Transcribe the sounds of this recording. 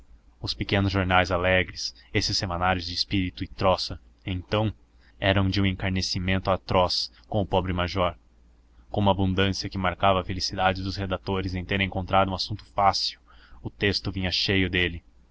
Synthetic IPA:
ʊspekẽnʊzʒoɾnajzalɛɡɾɪsesɪsːemanaɾjʊzd͡ʒɪispiɾit̪ʊɪt̪ɾɔsɐ | ẽt̪ɐ̃w̃ | ɛɾɐ̃w̃d͡ʒɪũẽŋkaɾnesimẽnt̪ʊat̪ɾɔs | kõw̃ʊpɔbɾɪmaʒɔɾ | kõmʊabũnd̪ɐ̃siɐkɪmaɾkavɐːfelisid̪ad͡ʒɪd̪ʊshed̪at̪oɾɪzẽj̃t̪eɾẽŋkõnt̪ɾad̪ʊũasũnt̪ʊ̥fasiwʊt̪est̪ʊvĩɲɐʃejʊd̪elɪ

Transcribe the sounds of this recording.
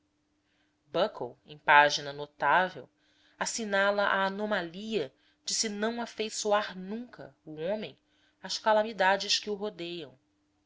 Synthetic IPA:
bɐkowḛ̃j̃paʒinɐnot̪avḛw | asinalɐʔaːnomaliɐ | d͡ʒɪsɪnɐ̃w̃afejsuaɾnũkɐ̰uõmẽj̃ | aʃkalamid̪ad͡ʒɪʃkɪʊɦod̪ejɐ̃w̃

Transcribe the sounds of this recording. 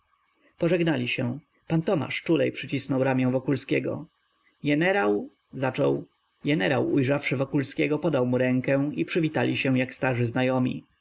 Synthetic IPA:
pɔʐɛɡnalʲiɕɛ̃ | pant̪ɔma̰ʂt͡ʂulɛjpʂɘt͡ɕisnɔwɾamʲjɛ̃w̃vɔkulskʲɛɡɔ̰ | ɡɛnɛɾaw | zat͡ʂɔw | ɡɛnɛɾawujʐafʂɘvɔkulskʲɛɡɔpɔd̪awmuɾɛŋkɛ̃ipʂɘvʲit̪alʲiɕɛw̃jakst̪aʐɘznajɔmʲḭ

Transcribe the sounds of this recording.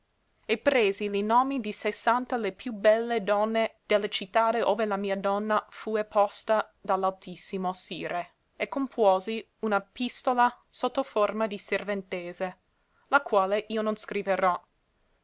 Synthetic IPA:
epɾeːzilinoːmid̪isesant̪alepjubɛlːed̪ɔnːed̪̥elːet͡ʃit̪ːaːdeʔo̰ːvelamiːad̪ɔnːafuepʰɔst̪ad̪alalt̪isːimosiːɾe | ekːompʰwɔːzi | unapist̪ola | sot̪ːoformad̪iservent̪eːze | lakwaːleʔiːononskɾiveɾɔ

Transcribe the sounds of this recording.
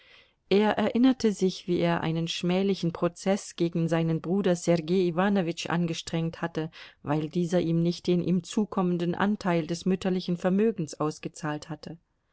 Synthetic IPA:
ʔeːɐʔɛɐʔɪnɐtʰəzɪçv̥iːeːɐʔa̰ɪnənʃmɛːlɪçn̩pʁ̥ot͡sɛsɡ̥eːɡŋ̩zaɪnənbʁuːdɐsɛʁɡeːivaːnovɪt͡ʃʔa̰nɡəʃtʁ̥ɛŋthatəvaɪldiːzɐʔiːmnɪçt̚d̥eːnʔḭːmt͡suːkʰɔməndən̩ʔa̰ntʰaɪldɛsmʏtɐlɪçn̩fɛɐmøːɡŋ̩sʔaʊsɡ̥ət͡saːlthatʰə

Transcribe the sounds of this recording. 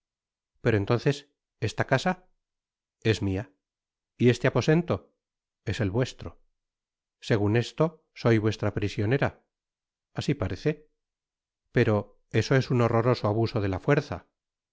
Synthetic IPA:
pe̞ɾoe̞nt̪o̞nθe̞s | e̞st̪akasa | e̞zmia | iest̪e̞apo̞se̞nt̪o̞ | e̞se̞lβwe̞st̪ɾo | se̞ɣ̞une̞st̪o̞ | so̞jβwe̞st̪ɾapɾisjo̞ne̞ɾa | asipaɾeθe | pe̞ɾo̞ | e̞so̞e̞suno̞ro̞ɾo̞soaβuso̞ðe̞lafwe̞ɾθa̰

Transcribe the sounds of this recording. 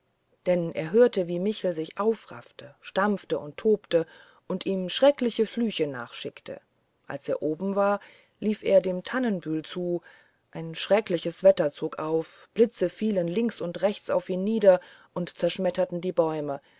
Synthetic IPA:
d̥ɛnʔḛːɐɦøːɐtəviːmɪçl̩zɪçʔaʊfʁa̰ftəʃtamftəʊntʰːoːptə | ʔʊntʔiːmʃʁ̥ɛklɪçəflyːçəna̰ːχʃɪktʰə̰ | ʔa̰lseːɐʔoːbm̩vaːɐ | liːfʔḛːɐdeːmtʰanənbyːlt͡suː | ʔaɪnʃʁ̥ɛklɪçəsv̥ɛtɐt͡soːkʔaʊfb̥lɪt͡səfiːlənlɪŋksʊntʁɛçt͡sa̰ʊfiːnːiːdɐʔʊntt͡sɛɐʃmɛtɐtn̩diːbɔʏmə

